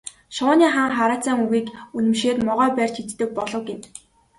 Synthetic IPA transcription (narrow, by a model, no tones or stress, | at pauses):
ʃʊːniːχaːŋχaɾaːt͡sæːŋuɣiːkunɘ̆mʃeːt̪mɔʁœːpæːr̥ʲt͡ɕxit͡st̪ɘ̆k̚pɔɮɞ̆wɡen